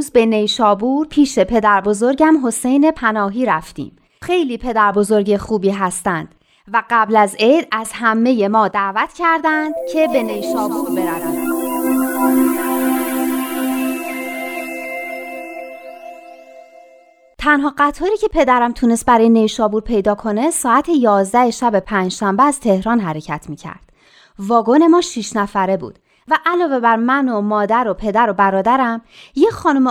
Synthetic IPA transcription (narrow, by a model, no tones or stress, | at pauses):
zbe̞ne̞jʃɒːbuːɾpʰiːʃe̞pʰe̞d̪æɾbo̞zo̞ɾɟæmɦo̞se̞jne̞pʰænɒːɦiːɾæft̪ḭːm | xe̞jliːpʰe̞d̪æɾbo̞zo̞ɾɟe̞xuːbiːɦæst̪ænd̪̥ | væɢæblæze̞d̪æz̥hæmːe̞je̞mɒːd̪æːvæt̪ʰcʰæɾd̪ænd̪̥cʰe̞be̞nejʃɒːbuːɾbe̞ɾævæn | t̪ʰænɦɒːɢæt̪ʰɒːɾiːcʰe̞pʰe̞d̪æɾæmt̪ʰuːnest̪̚bæɾɒːjene̞jʃɒːbuːɾpʰe̞jd̪ɒːkʰo̞ne̞sɒːæt̪ʰejɒːzd̪æhe̞ʃæbe̞pʰæːnd͡ʒʃæmbeæz̥t̪ʰe̞hɾɒːnɦæɾe̞cʰæt̪ʰmiːcʰæ̰ɾd̪̥ | vɒːɡo̞ne̞mɒːʃiʃnæfæɾe̞bṵːd̪̥ | væʔælɒːve̞bæɾmænomɒːd̪æɾo̞pʰe̞d̪æɾo̞bæɾɒːd̪æɾæmjexɒːnum